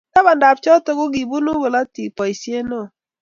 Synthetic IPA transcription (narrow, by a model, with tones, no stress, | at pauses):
a˦ba˨nda˨p̚t͡ʃɔ˦tɔ˦ɡʊ˦ɡi˨bu˦nu˦ɡo˨la˦ti˨pɔ˨i˨sje˦nɔ˦˨